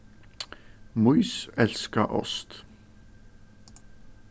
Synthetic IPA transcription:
muʏsɛlskəʔɔ̰st̪

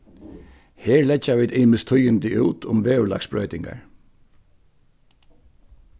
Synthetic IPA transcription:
hɛːɹlɛd͡ʒaʋiːd̪ɪːmɪst̪ʰʊjɪnt̪ɪʔṵːt̪ʰʊmʋeːʉla̰ksbɹœ̰ʏt̪ɪŋka̰ɹ

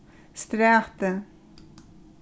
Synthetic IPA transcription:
st̪ɾæːʁt̪ə

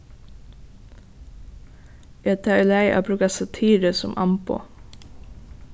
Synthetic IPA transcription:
et̪ʰɑlæɪʔo̰ːpʰɾʉːkɑsɑt̪ʰiːɾəsʊ̰mʔɑ̰mpʊ̰

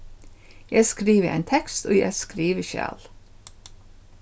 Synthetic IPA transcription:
jæɪskɾiːʋəʔæ̰ɪnt̪ʰɛkst̪oːjæ̰skɾiːʋəʃæ̰ːl

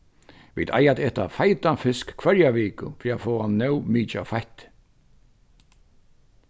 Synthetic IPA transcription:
vḭːt̪ʰa̰jat̪ɛːt̪a̰fajt̪afɪskkʰvœɾjaʋiːkʊ̰fɾiafɔːanœwmiːt͡ʃa̰fajht̪

